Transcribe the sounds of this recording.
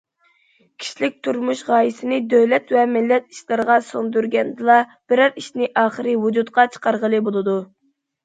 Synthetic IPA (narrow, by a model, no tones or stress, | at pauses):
kʲʰi̥ʃlɪk̚ʲt̪ʰuɾmuʃʁɑːjisɪnɪd̪øwlɛt̪vɛmɪlːɛt̪i̥ʃlˠɨɾəʁɑsond̪yɾɡʲɛnd̪ɨlˠɑb̥ɪɾæɾiʃnɪʔɑːχəɾɨvud͡ʒut̪qɑt͡ʃʰə̥qɑɾʁəlˠɨbolˠɨd̪u